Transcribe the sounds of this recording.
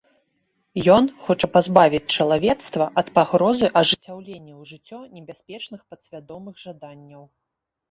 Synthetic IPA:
jɔnxɔt͡ʂɐpazbavʲit͡sʲt͡ʂɐlˠavʲɛt̪st̪vɐʔɐt̪paɣɾɔzɨʔɐʐɨt͡sʲawlʲenʲːɛwʐɨt͡sʲːɔnʲɛbʲasʲpʲɛt͡ʂnɨxpɐt̪sʲvʲad̪ɔmɨɣʐad̪anʲːɐw

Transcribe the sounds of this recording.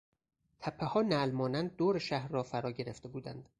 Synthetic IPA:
t̪ʰæpʰːehɒːnælmɒːnænd̪̚d̪oːɾeʃæhɾːɒːfæɾɒːɟe̞ɾḛft̪e̞buːd̪æ̰nd̪̥

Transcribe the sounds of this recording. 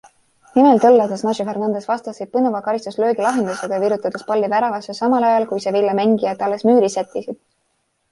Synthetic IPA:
nimelt̪ɤlːɑt̪ɑsnɑʒifernɑnd̪̥esvɑst̪ɑsit̪̚pɤnuvɑkɑɾist̪uslø̞ːɡilɑɦe̞nd̪useɡ̥ɑjɑviɾut̪ːˑɑd̪̥espɑlʲːivæɾɑvɑsesɑmɑlɑjɑlkujsevilːɑmæŋɡijɑt̪ːˑɑlːesmyːɾisæt̪ˑːisid̪̥

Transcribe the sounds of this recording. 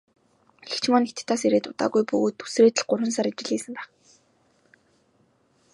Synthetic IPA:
ekt͡ɕ̆ʰmɔːnet̪̆ʰt̪ʰːaːseɾeːt̪ʊt̪a̰ːɣujpɵ̰ɣoːt̪u̥sreːt̪ɘ̆ɮɢʊrwə̆nsaɾat͡ɕɪ̆ɮiːsə̆mpæːχ

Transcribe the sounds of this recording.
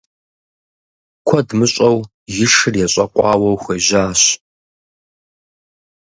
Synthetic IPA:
kʷʰɔdmɨɕʼɐw | jɪʂɨrjɛɕʼɐqʷʼɑːwɐwxʷeːʑaːɕ

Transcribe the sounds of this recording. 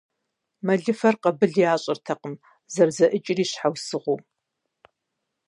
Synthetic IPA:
mɐɮɨfɐrqɐbɨɮjaːɕʼɐrtʰɐqəm | zɐrzɐʔɨt͡ʃʼɪriːɕħawsɨʁʷuː

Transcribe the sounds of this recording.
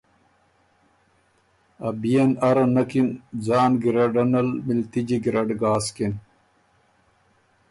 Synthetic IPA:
ɐbijɐnɐɾɐnɐkind͡zaːnɡiɾɐɖɐnɐlmilt̪id͡ʑiɡiɾɐɖɡaːskin

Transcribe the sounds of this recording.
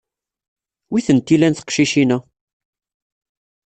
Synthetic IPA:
wiθənt̪ːilænθə̥qʃiʃinæ

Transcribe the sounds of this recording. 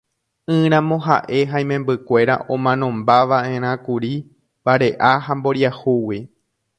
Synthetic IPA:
ɨ̃ɾ̃ãmõ̞ɦa̰ʔe̞ɦaj̃mẽ̞mbɨkʷe̞ɾa̰ʔõmãnõ̞mbaʋaʔẽ̞ɾ̃ãkuɾi | baɾe̞ʔaɦambo̞ɾjahuwi

